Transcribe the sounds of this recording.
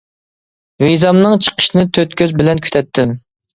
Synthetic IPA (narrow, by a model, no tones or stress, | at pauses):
wejzɑmnɨŋt͡ʃʰə̥qʰə̥ʃnɨt̪ʰøt̪kʲʰøzbɪlɛnkʲʰy̥t̪ʰɛt̪ʰːɪm